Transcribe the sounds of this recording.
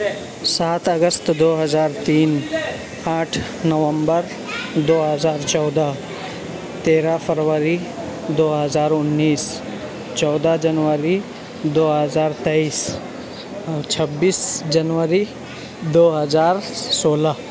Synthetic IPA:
saːt̪ʰəɡəst̪d̪oːɦəzaːɾt̪iːn | aːʈʰ | nəʋə̃mbəɾ | d̪oːɦəzaːɾt͡ʃɔːd̪a | t̪eːɾapʰəɾʋəɾi | d̪oːɦəzaːɾʊnːiːs | t͡ʃɔːd̪ad͡ʒənʋəɾi | d̪oːɦəzaːɾt̪ɛiːs | t͡ʃʰəbːiːsd͡ʒənʋəɾi | d̪oːɦəzaːɾsoːla

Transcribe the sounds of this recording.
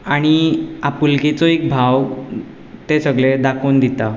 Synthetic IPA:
aɽ̃iapulket͡sɔek̚bʱaw | t̪esəɡɭed̪akond̪it̪a

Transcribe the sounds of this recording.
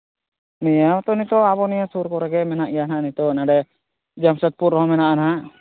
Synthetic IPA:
nijat̪ɔnit̪ɔaβɔnijasuɾkɔɾɛɡɛmɛnaʔijananit̪ɔnaɖɛ | d͡ʒamsət̪̚puɾɦɔ̃mɛnaʔanaɦaʔ

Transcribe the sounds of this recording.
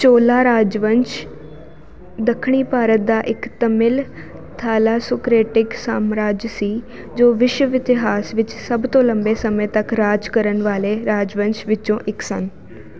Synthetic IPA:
t͡ʃoːlaːɾaːd͡ʒʋəɲt͡ʃ | d̪əkʰːɳ̃iːpaːɾət̪̚d̪aːʔɪkt̪əmɪl | t̪ʰaːlaːsʊkɾeːʈɪksaːmɾaːd͡ʒsiː | d͡ʒoːʋɪʃwəʋɪt̪ɪɦaːsʋɪt͡ʃsəbt̪õːləmbeːsəmə̃t̪əkɾaːd͡ʒkəɾənʋaːleːɾaːd͡ʒʋə̃ɲt͡ʃʋɪt͡ʃõːʔɪksən

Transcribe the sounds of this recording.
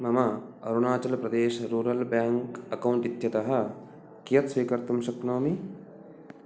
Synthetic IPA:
mɐmɐɐ̰ɾunaːt͡ʃɐlɐpɾɐd̪eːʃɐɾuːɾɐlbjaːŋkɐkɐwɳʈit̪jɐt̪ɐɦɐ̆ | kijɐt̪sʋiːkɐɾt̪umʃɐknoːmi

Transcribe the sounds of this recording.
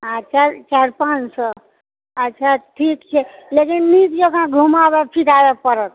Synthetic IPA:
ət͡ʃʰat͡ʃaɾpãnsə | ətːt͡ʃʰaʈʰiːkt͡ʃʰelekinːit̪d͡ʒokʰãɡʱumaʋepʰit̪aʋepəɾət̪̚

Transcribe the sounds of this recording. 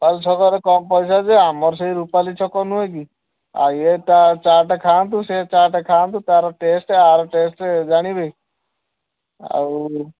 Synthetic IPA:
palt͡ʃʰɔkɔɾekɔmpɔisad͡ʒeamɔɾs̬eiɾupalit͡ʃʰɔkɔnueki | a̰jet̪at͡ʃaʈekʰant̪̬uset͡ʃaɾʈekʰaːnt̪̬ut̪aɾɔʈesʈeaɾɔʈesʈed͡ʒaɽ̃ibei | a̰

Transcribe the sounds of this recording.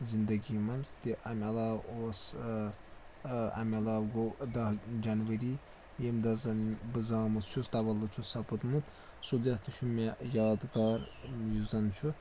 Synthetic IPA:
zind̪ɐɡimɐnst̪iʔamiɐlaːwoːs | a̰mʲɐlaːwɡod̪ɐɦd͡ʒɐnʋɐɾi | emd̪ɐzɐnbɨzaːmut̪t͡ʃʰust̪abɐlːut͡ʃʰusɐpɐt̪mut̪ | sud̪ɐt̪uʃʰumʲejaːd̪ɡaɾjuzɐnt͡ʃʰu

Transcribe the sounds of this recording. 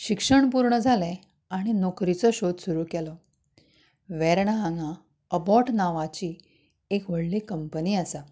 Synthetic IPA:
ɕikʂəɳpuɾɳəd͡zʱalɛ | aɽ̃inɔkɾit͡sɔɕod̪suɾuːkɛlɔ | ʋɛɾɳaaŋã | əbɔʈnaʋat͡ɕiː | ekʋəɽlikəmpəniːasa

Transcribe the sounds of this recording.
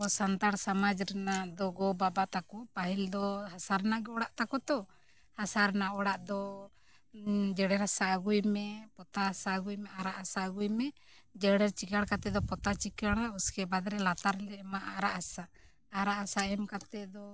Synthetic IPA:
ɔsant̪aɽsamad͡ʒɾɛnad̪ɔɡɔbabat̪akɔpaɦild̪ɔhasaɾnaɡɛɔɽaʔt̪akɔt̪ɔ | hasaɾnaɔɽaʔd̪ɔ | d͡ʒɛɽɛɾasaɡujmɛpɔt̪aasaɡujmɛaɾaʔasaɡujmɛ | d͡ʒɛɽɛɾt͡ʃikaɽkat̪ɛd̪ɔpɔt̪at͡ʃikaɽauskɛbad̪ɾɛlat̪aɾlɛmaʔaɾaʔhasaː | ɾaʔasaɛmkat̪ɛd̪ɔ

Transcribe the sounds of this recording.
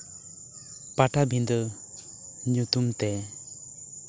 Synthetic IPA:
paʈabind̪ɔ | ɲut̪umt̪ɛ

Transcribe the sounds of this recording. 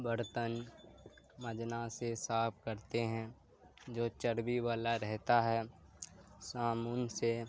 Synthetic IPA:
bəɾt̪ən | məd͡ʒnasesaːpʰkəɾt̪eɦɛ̃ | d͡ʒoːt͡ʃəɾbiʋaːlaɾɛɦt̪aɦɛː | saːmʊnse

